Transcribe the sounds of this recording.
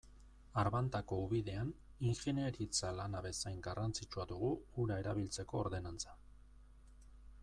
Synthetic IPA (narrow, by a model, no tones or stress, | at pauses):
aɾβant̪ako̞uβiðe̞aniŋxene̞ɾit͡salanaβe̞sajŋɡarant͡sit͡ʃuaðuɣuːɾae̞ɾaβilt͡se̞ko̞ːɾðe̞nant͡sḁ